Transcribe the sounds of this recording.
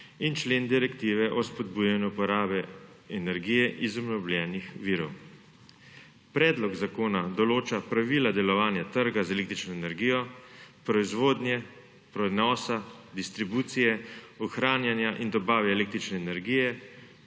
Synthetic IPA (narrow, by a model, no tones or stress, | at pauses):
int͡ʃleːnd̪iɾɛkt̪iːʋɛʔɔspɔd̪buːjanjuupɔɾaːbɛ | ɛnɛɾɡiːjɛʔizɔbnɔbljɛːnixʋiːɾɔw | pɾɛːd̪lɔɡzakoːnad̪ɔloːt͡ʃapɾaʋiːlad̪ɛlɔʋaːnjat̪əɾɡazɛleːkt̪ɾit͡ʃnɔɛnɛɾɡiːjɔpɾɔizʋoːd̪njɛ | pɾɔd̪nɔːsad̪ist̪ɾibuːt̪sijɛɔxɾaːnjanjaʔind̪ɔbaːʋɛːleːk̚t̪ɾit͡ʃnɛːnɛɾɡijɛ